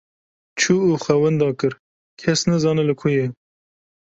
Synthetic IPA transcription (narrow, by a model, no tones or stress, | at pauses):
t͡ʃʰuːuːxʷɛwɛnd̪ɑːkɨɾ | kʲʰɛsnɛzɑːnɨlɨkʰʊjɛ